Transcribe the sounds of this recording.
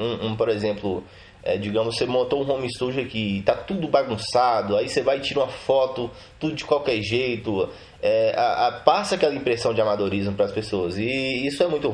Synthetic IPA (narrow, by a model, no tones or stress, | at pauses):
ũũpoɾezẽmplʊ | ɛ̰d͡ʒiɡɐ̃mʊssemõnt̪oũɦõmist̪uʒɐkɪt̪at̪ud̪ʊbaɡũsad̪ʊaisevajt͡ʃiɾũmɐfɔt̪ʊ | t̪ud̪ʊd͡ʒɪkwawkɛɾʒejt̪ʊ | ɛa̰ʔapasɐakɛlɐĩpɾesɐ̃w̃d͡ʒɪamad̪oɾizmʊpɾɐːspesoɐzɪisʊɛmũj̃t̪ʊ